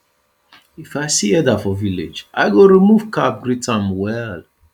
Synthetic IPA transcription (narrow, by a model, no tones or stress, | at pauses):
ifaɪsiɛdafɔvilḛd͡ʒa̰ɪɡoɹimuv̥kap̚ɡɹitãmwɛl